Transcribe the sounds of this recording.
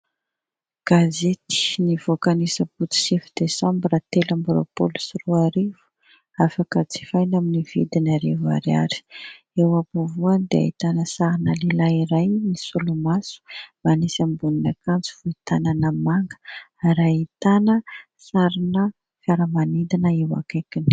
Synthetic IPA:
ɡ̥azet̪i̥niv̥okanisəput͡s̪i̥sifid̪esambrat̪elambɾo̰polu̥sruaɾivu̥ | afakət͡si̥fajnaminivḭd̪inaɾeva̰ɾia̰ɾi̥ | ewapuvuanid̪ea̰it̪anəsaɾinəlilaiɾajnisulumasu̥manisambuninakant͡si̥v̥uit̪ananamaŋɡə̥ɾait̪anə | saɾinə | fjaɾəmanid̪inəewa̰kakini̥

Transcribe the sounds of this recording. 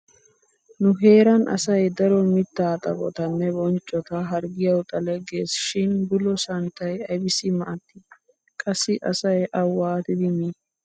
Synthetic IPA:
nʊɦe̞ːɾɐnʔɐ̰sɐjd̪ɐɾɔmɪt̪ːaːt̪ʼɐ̰bʼɔ̰t̪ɐnːɛbɔnt͡ʃʼːɔt̪ɐɦɐɾɡɪjɐwt̪ʼɐlɛɡe̞ːsʃɪnbʊlɔsɐnt̪ɐjɐjbɪsɪmɐʔɐt̪ːɪ | kʼɐsːɪʔɐsɐjʔɐwːaːt̪ɪd̪ɪmi

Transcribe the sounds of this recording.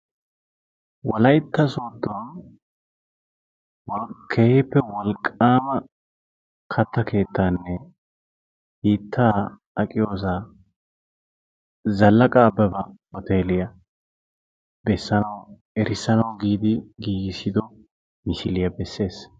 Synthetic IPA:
wɔlɐjt̪ːɐsoːd̪ːɔn | wɔkʰeːhɪpːɛwɔlkʼːaːmɐ | kʰɐt̪ːɐke̞ːt̪ʰːaːnːɛ | hiːt̪ʰːaː | ɐkʼɪjo̞ːs̬a | zɐlːɐkʼɐːbɛbɐɔt̪e̞ːlɪjɐ | bɛsːɐnɐw | ɛɾɪsːɐnɐwɡiːd̪ɪɡiːɡɪsɪd̪ɔ | mɪsɪlɪjɐbɛsːe̞ːs

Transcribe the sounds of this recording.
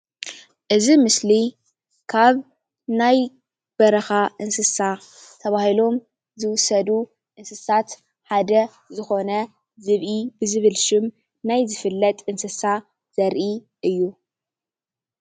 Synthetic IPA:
ʔɨzimɨsli | kʰaβ | naj | b̥ɐɾɐxaʔɨnsɨsa | t̪ʰɐβahilo̞m | zɨwʊsɐd̪u | ʔɨnsɨsat̪ | ħad̪ɐ | zɨxo̞nɐ | zɨβʔibɨzɨβɨlʃɪm | najzɨfɨlːɐt̪ʼɨnsɨsa | z̥ɐɾʔi | ʔɨjːu

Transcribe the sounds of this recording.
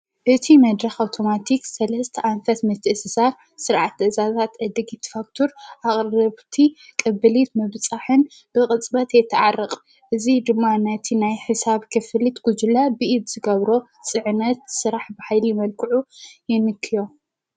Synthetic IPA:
ʔɨt̪ʰimɐd̪ɾɐxawt̪ʰo̞mat̪ʰiksɐlɐst̪ʰɐʔanfɐt̪mɨt̪ʰːɨʔsɨsaɾ | sɨɾʕat̪ːɨʔzazat̪ʔɐd̪ɨɡit̪ʰːfak̚t̪ʰoɾʔaχʼrɐβt̪ʰikʼɨbɨlit̪mɐβt͡sʼaħɨn | b̥ɨqʼɨt͡sʼbɐt̪jɛt̪ʰːɨʕarːɨqʼ | ʔɨzid̪ɨmːanɐt̪ʰinajħɨsaβkʰɨfɨlit̪ɡ̥ud͡ʒulabɨʔid̪z̥ɨɡɐβɾo̞ | sʼɨʕɨnɐt̪̚sɨɾaħbɨħajlijɪmɐlkʰɨʕujɪnɨkʰːɨjo̞

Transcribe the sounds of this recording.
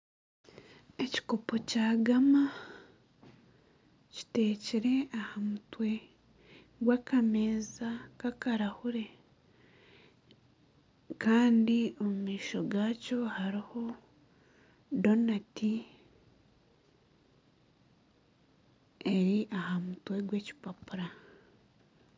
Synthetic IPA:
e̞ci̥ko̞po̞caːɡama | ci̥te̞ːciɾe̞ahamutwe̞ | ɡwakameːzakakaɾahuɾe̞ | kʰaːndio̞mumiːʃo̞ɡaːco̞haɾiho̞ | do̞nati | eɾiʔahamutwe̞ɡwe̞ci̥papuɾa

